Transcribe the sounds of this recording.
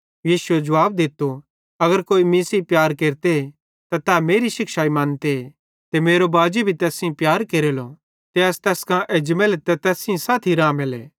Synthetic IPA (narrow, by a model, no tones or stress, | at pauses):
jiːsʊed͡ʒɐʋaːb̚d̪ɪt̪o | ɐɡəɾkoːimɪ̃sipjaːɾkeːɾt̪e | t̪at̪ɛːmeːɾiʃɪkʃaːimãːnt̪e | t̪emeːɾobaːd͡ʒebʱit̪ɛːsĩpjaːɾkeːɾelo | t̪eɐst̪ɛːskãʔed͡ʒmelet̪ɛt̪ɛːsɪ̃saːt̪ʰiɾãːmelɛ̰ː